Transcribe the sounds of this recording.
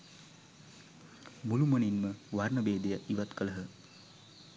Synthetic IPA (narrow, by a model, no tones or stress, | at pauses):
muluməninməʋarnəbeːd̪ejaʔiʋat̪kələɦə